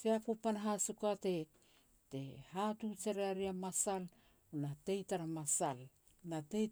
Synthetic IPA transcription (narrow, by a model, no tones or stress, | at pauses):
seapupanɦasukate̞ | tehatut͡ʃeɾeaɾiamasal | unate̞jtaɾamasal | natej